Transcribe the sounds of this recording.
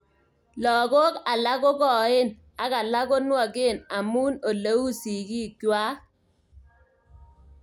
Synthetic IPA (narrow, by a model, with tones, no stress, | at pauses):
lɔ˨ɡo˦ka˨la˦ɣɔ˦ɡɔ˨ɪ˦n | a˨ka˨la˦ɡo˦nwa˨ɡɪ˦˨na˨mu˦no˨lə˦u˦si˨ɡi˦˨kjwa˦